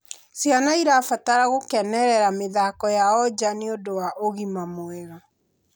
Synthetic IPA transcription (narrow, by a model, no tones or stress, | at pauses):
sjanaiɾafataɾaɣokɛnɛɾɛɾameðakɔjaɔd͡ʑaneodowaʔoɣimamoɛɣa